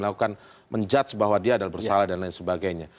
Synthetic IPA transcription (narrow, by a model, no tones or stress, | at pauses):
əlakukan | mʔəɲd͡ʒat̪sbaɦwadiaːdalabərsalahdanlaɪinsəbaɡajɲa